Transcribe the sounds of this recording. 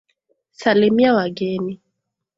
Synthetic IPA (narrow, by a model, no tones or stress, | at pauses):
salimiawaɡɛni